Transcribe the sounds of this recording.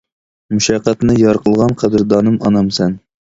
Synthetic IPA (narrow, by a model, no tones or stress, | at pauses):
muʃɑqːæt̪nɨjɑɾqʰəlˠʁɑnqʰæd̪ɨɾd̪ɑːnɨmɑnɑmsɛn